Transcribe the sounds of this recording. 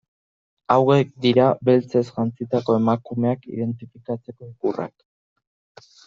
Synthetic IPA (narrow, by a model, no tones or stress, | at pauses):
awe̞k̚d̪iɾaβe̞lt͡se̞sʝant͡sit̪ako̞e̞makume̞akḭðe̞nt̪ifikat͡se̞ko̞ikura̰k